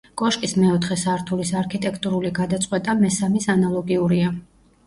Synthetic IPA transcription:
kʼɔʃkʼismɛɔt̪ʰχɛsaɾt̪ʰulisaɾkʰit̪ʼɛkʰt̪ʼuɾuliɡad̪at̪sʼqʼwɛt̪ʼamɛsamisanalˠɔɡiuɾia

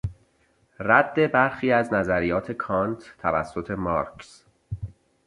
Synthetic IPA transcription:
ræd̪̥ːe̞bæɾxiːæznæzæɾijɒːt̪ʰe̞kʰɒːnt̪ʰt̪ʰːævæ̰sːo̞t̪ʰe̞mɒːɾks

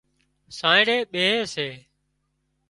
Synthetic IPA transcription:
sãːɪ̃ɽeːɓeːeːseː

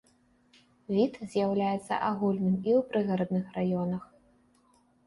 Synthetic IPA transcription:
vʲit̪zʲjawlʲajɛt̪sːɐ̰ʔaɣulʲnɨmiwpɾɨɣɐɾɐd̪nɨxrajɔnɐx

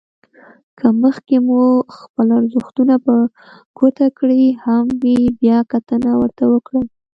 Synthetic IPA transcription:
kʰəməxkemuxpəlaɾzuxt̪unapə | ɡ̥ot̪akɽihamwibjɑkat̪ənawəɾt̪awəkɽəl

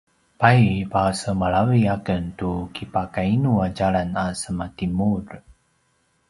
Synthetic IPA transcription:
pajpasəmaɭaviakəntukipakainuad͡ʒaɾanasəmatimuɾ

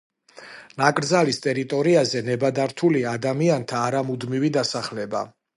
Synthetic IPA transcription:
nakʼɾd̪zalist̪ʼɛɾit̪ʼɔɾiazɛnɛbad̪aɾt̪ʰuliad̪amiant̪ʰaːɾamud̪mivid̪asaχlɛba̰

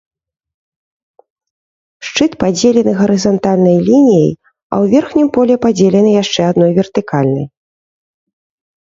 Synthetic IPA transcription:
ʂt͡ʂɨt̪pad͡zʲelʲɛnɨɣɐɾɨzant̪alʲnɐjlʲinʲijɐ̰j | ɐ̰wvʲɛrxnʲimpɔlʲɛpad͡zʲelʲɛnɨjaʂt͡ʂɛad̪nɔjvʲɛrt̪ɨkalʲnɐ̰j

